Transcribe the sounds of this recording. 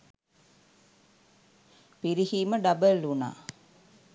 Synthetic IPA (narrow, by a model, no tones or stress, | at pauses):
piɾihiːməɖɐbəlːuna̰ː